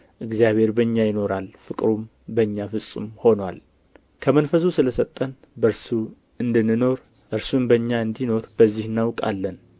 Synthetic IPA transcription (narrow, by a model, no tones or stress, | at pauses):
ʔɨɡzjaβe̞ɾbəɲːajɪno̞ɾalfɨkʼɾum | bəɲːafɨsʼṵmho̞nwa̰l | kʰəmənfəs̬usɨləsət̪ʼːən | bəɾsu | ɨnd̪ɨnːɨno̞ɾ | ʔɨɾsumbəɲːaɨnd̪ino̞ɾb̥əzːihɨnːawkʼa̰lːən